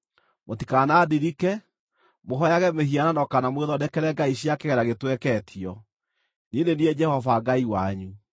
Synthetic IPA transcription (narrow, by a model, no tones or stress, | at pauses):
motikanaːdiɾikɛ | moɦɔjaɣɛmehiananɔkanamweðɔnekɛɾɛɡaiɕjakeɣɛɾaɣetwɛkɛtʰiɔ | ninenied͡ʒɛhɔvaɡaiwaɲu